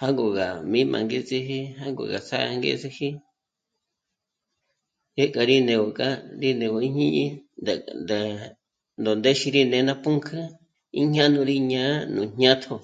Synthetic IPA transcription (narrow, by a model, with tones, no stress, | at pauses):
ha˦ŋɡo˨ɣa˨mĩ˦mʔã̰˨ŋɡe˦t͡sʼi˧ɦi˦ɦa˦ŋɡo̰˨ɣa˨t͡sa˦˧ŋɡḛ˦t͡si˧hi˦ | je˦kʼa˧ɾi˦nẽ˨wo˨kʼa˦ɾi˦nẽ˨wo˧˨i˦ɲĩ˦ɲi˦d̪a˨nd̪a˨ | nd̪o˨nd̪e˦ʃi˧ɾi˦nẽ˨˦nã˦pu˦ŋkʰa˦ | i˦ɲ˦ã˦nũ˧ɾi˦ɲã˨˦nũ˨ɲ̥ɲã˦t̪ʰo˧